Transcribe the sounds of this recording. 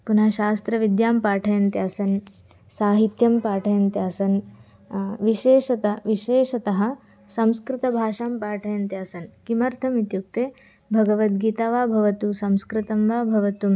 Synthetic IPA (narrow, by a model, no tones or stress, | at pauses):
punaːʃaːst̪ɾɐʋid̪jaːmpaːʈʰɐjɐnt̪jaːsɐn | saːɦit̪jɐmpaːʈʰɐjɐnt̪jaːsɐn | ʋiʃeːʂɐt̪ɐʋiʃeːʃɐt̪ɐɦɐ̆ | sɐ̃mskɾɪt̪ɐbʱaːʂaːmpaːʈʰɐjɐnt̪jaːsɐnkimɐɾt̪ʰɐmit̪juk̚t̪eː | bʱɐɡɐʋɐt̪̚ɡiːt̪aːʋaːbʱɐʋɐt̪usɐmskɾɪt̪ɐmʋaːbʱɐʋɐt̪um